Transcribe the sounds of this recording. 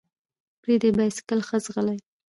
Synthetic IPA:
pɾid̪ebajskəlxəzɣəlaj

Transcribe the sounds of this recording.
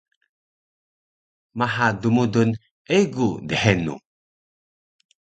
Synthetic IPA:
maɦadumudun | eɡudəħenṵ

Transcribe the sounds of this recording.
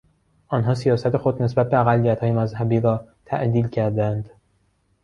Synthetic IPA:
ʔɒːnɦɒːsijɒːsæt̪ʰe̞xo̞d̪ne̞sbæt̪̚beæɣælːijæt̪hɒːjemæzhæbiːɾɒːt̪ʰæ̰ʔd̪iːlcʰæɾd̪ænd̪

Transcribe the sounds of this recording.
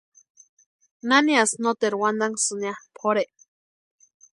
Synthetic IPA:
naniasnot̪eɾwand̪aŋsɨnjapʰoɾeʔ

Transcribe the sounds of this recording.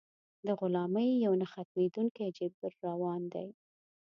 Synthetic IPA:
d̪əɣʊlɑməjːawnaxat̪̚med̪uŋkajd͡ʒɪbbaɾːawɑnd̪aj

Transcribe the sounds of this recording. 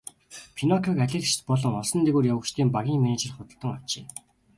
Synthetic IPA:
pʰinɔkʰɔkaɮʲĕɮt͡ɕt͡ɕpɔɮɞ̆ŋɔsɞ̆nt̪eɣuːrjawə̆kt͡ɕt̪ʰeːmpaɣʲiːŋmenet͡ɕɪ̆rχʊt̪ə̆ɮt̪ə̆ŋɔw̥t͡ɕeː

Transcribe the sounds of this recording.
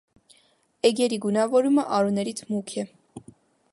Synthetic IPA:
ɛɡjɛɾiɡunɑvɔɾuməʔɑɾunɛɾit͡sʰmukʰɛ

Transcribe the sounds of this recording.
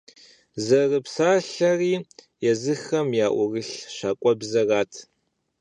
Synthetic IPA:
zɐrɨpsaːɬɐriː | jɛzɨxɐmjaːʔʷʊrɨɬɕaːkʷʼɔbzɐraːtʰ

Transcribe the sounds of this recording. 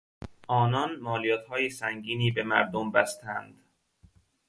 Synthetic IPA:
ʔɒːnɒnmɒːlijɒːt̪hɒːjesæŋɡiːniːbemæɾd̪ombæst̪ʰænd̪̥

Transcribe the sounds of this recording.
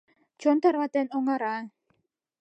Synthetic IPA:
d͡ʒ̥ɔnt̪aɾwat̪ɛnɔŋaɾa

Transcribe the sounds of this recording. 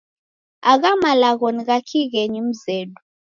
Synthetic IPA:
aɣ̬amalaɣɔniɣ̬akʰiɣ̬ɛɲim̩zeːɗu

